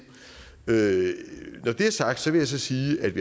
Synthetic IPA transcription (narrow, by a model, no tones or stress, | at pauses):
ø | nɒd̥e̝æɐsɑ̈ɡ̥̚d̥sɒ̽ʋe̝jɑsɒ̽siːʔæd̥ʋi